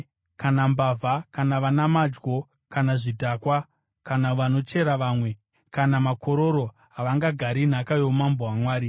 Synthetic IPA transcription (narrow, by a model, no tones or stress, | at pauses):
kanambavʱakanaʋanamad͡ʒɡo̞ | kanaʐidʱakwa | kanaʋano̞t͡ʃe̞ɾaʋaːmwe̞ | kanamakʰo̞ɾo̞ɾo̞ | ɦaʋaŋɡaɡʱaɾin̤akajo̞mamboɦamwaːɾi